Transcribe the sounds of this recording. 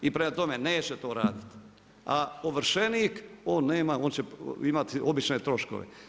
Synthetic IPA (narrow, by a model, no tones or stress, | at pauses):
ipɾemat̪o̞me̞neːt͡ɕet̪oːɾaːd̪it̪ | aoʋɾ̩ʃeniːkoːnːeːmao̞ːnt͡ɕeimat̪iobit͡ʃne̞t̪ɾo̞ʃko̞̰ʋḛ